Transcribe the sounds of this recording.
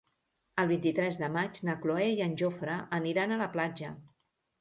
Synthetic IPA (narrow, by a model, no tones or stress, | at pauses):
əlˠβ̞int̪it̪ɾɛzðəmat͡ʃnəkloɛiənʲʒofɾəʔːniɾanələplad͡ʒə̰